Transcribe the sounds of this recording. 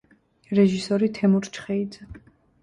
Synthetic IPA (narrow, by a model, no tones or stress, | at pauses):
ɾɛʒisɔɾit̪ʰɛmuɾt͡ʃʰχɛid̪zɛ